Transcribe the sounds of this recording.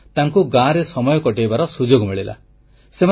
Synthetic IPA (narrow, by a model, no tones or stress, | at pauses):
t̪aŋkuɡãɾesɔmɔjɔkɔʈejbaɾɔsud͡ʒoɡmiɭila̰ | sema